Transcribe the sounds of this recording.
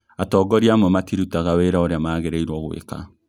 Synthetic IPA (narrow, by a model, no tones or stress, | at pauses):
atɔːɡɔɾiamwɔmatiɾutaɣaweɾaoɾeamaːɣeɾeiɾwɔɣwḛka̰